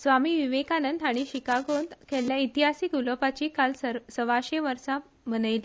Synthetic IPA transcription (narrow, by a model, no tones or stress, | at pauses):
sʋamiːʋiʋekanənd̪ʱaɽ̃iɕikaɡond̪kʰɛljait̪iɦasikuləpat͡ɕiːkalsəʋaɕeʋəɾsã | mənəjli